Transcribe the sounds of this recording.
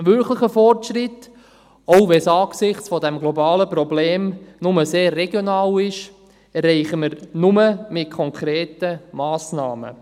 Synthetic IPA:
ʋʏɾkʰləχəfɔrtʃrɪt | ɔʊʋɛsɑːɡsɪχt͡sfɔdɛmɡlɔbɑːləprɔbleːmnʊməseːrːɛɡjonɑːlɪʃ | ɛrːɛɪχəməɾnʊməmɪt̚kʰɔŋkʰɾeːtəmɑːsnɑ̰ːmə̰

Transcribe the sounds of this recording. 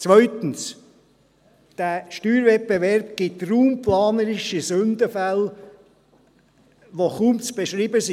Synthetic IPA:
t͡sʋœʏt̪ən̩s | d̥æʃtyːɾvɛt̚beʋɛɾb̚ɡ̥ɪt̪ruːmpʰlɑːnəɾɪʃisɵnd̪əfæl | ʋoχuːmt͡sb̥eʃɾiːbəsi

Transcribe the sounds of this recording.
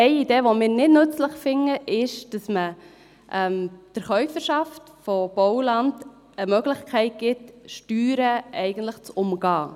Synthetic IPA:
ɛɪideːʋomɪːɾnɪdnɵt͡sləχfɪŋːəʔɪʃd̥ɑsmə | ʔɛmd̥əɾχœʏfəɾʃɑft | fob̥ɔʊlɑnd | əmœɡləχkʰɛɪt̚ɡ̥ɪtʃtyːɾəʔɛɪɡ̥əntləχt͡sʊmɡɑː

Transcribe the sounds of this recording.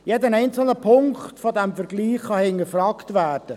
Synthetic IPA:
jedənɛɪnt͡sl̩nəpʰʊŋktfodɛmfəɾɡliːχːɑhɪŋəfrɑktʋæːrd̥ə

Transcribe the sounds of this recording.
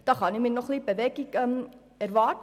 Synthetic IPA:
d̥ɑːχɑnimiːnɔχlib̥əʋɛɡikɛm | æɾvɑːt

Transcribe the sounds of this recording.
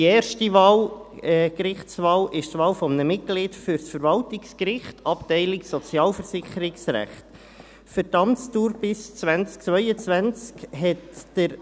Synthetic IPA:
iɛːɾʃtiʋɑːl | kɾɪχtsvɑːlɪʃtʋɑːlfɔmənəmɪt̚ɡ̥lɪtfʏɾsfəɾvɑltɪkskɾɪχtɑptɛɪlɪksɔt͡sjɑːlfəɾsɪχəɾɪksɾæ̰χt | fətɑmt͡stuːɾpɪst͡sʋænt͡sk̚t͡sʋœʏət͡sʋænt͡skhɛtd̥əɾ

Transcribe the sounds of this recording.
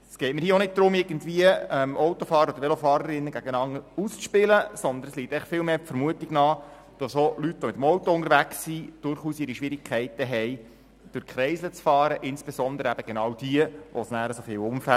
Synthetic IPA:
sɡ̥ɛɪtməɾhiːəonɪd̚d̥̪ɾʊmɪɾɡən̩dviəɛmɔwtofɑːɾəɾɔd̪əvʋelofɑːɾəɾɪnːəɡæɡ̥ənɑŋəɾust͡sʃpɪləsɔnd̪ənsliːtːɛχfɪlmeːpfəɾmuətiɡnɑː | d̥ɑsolytʋomɪt̪əmɔwtɔʊnəɾʋæksːid̥ʊɾχuːsɪɾiʃʋɪɾikʰɛɪtəɦɛj | d̥ʊɾkʰɾɛɪsət͡sfɑːɾəʔɪnsb̥esɔnd̪əɾəæb̥əɡ̥enɑːwd̥iəʋʔosnæːɾəsofɪːlʊmfæ

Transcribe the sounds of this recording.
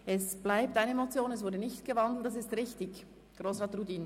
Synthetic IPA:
ʔɛsb̥laɪptaɪnəemot͡sjoːnɛsv̥ʊɾdənɪçtɡ̥əvɑndl̩ˠtːɑs̬ɪstʁɪçtɪç | ɡ̥ʁoːsʁɑːtrudiːn

